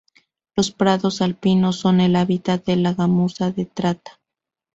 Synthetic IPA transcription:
lo̞spɾaðo̞salpinoso̞ne̞laβit̪at̪̚ðelaɣamusaðe̞t̪ɾat̪ḁ

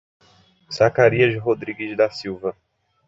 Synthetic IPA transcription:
z̥akaɾiɐzɦod̪ɾiɡɪzd̪asiwvɐ

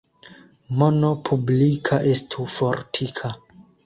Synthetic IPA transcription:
monopʰublikʰaʔestʰufoɾtʰikʰa

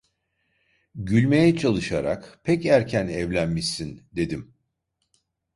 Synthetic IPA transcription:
ɟylʲme̞jɛt͡ʃʰalˠɯʃaɾa̰kpʰɛcæɾcʰænɛvlʲænmiʃsind̪e̞d̪im

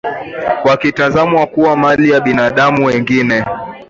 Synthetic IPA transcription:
wakitazamwakuwamalijaɓinaɗamuwɛŋɡinɛ

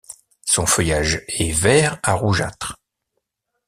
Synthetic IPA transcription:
sɔ̃fœjaʒɛvɛʁaʁuʒa̰t̪χ

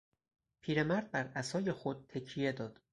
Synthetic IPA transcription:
pʰiːɾe̞mæɾd̪̚bæɾæsɒːje̞xo̞d̪̥̚t̪ʰːecʰije̞d̪ɒːd̪̥

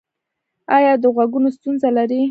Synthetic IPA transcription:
ɑjɑd̪əɣwaɡunost̪unzalaɾi

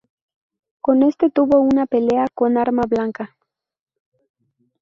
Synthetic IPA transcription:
ko̞ne̞st̪e̞t̪uβo̞unape̞le̞ako̞naɾmaβlaŋka

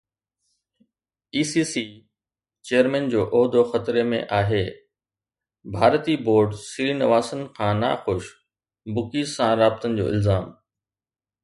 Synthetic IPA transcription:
iːsiːsi | t͡ɕejəɾmɛ̃ːnd͡ʑoːʔɔːɦd̪ʱoxɐt̪ɾemḛ̃ʔaːɦeː | bʱaːɾt̪iboːɾɖsiɾiːnɐʋaːsənɪ̆kʰãːna̰xʊʃ | bʊkiːsãɾaːbɪt̪ənɪ̆d͡ʑo̰ːɪ̰lzaːm

